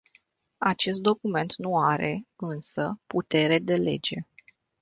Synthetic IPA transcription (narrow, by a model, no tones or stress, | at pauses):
at͡ʃe̞st̪̚d̪o̞kume̞nt̪nuaɾe̞ɨnsəput̪e̞ɾe̞d̪e̞le̞̰d͡ʒe̞